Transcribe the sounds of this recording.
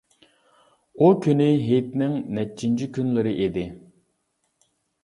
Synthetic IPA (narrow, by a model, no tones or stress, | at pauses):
ukʲʰynɪɦet̪nɪŋnɛt͡ʃʰːint͡ʃʰikʲynlɪɾɪʔed̪ɪ